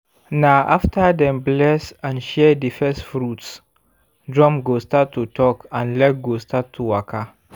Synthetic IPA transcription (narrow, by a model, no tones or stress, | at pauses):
naʔaftʰadɛ̃mblɛsãnʃɛdifɛstfɹuts | dɹɔ̃mɡostatʰːutʰɔkãnlɛt̚ɡostʰatʰːuwakʰa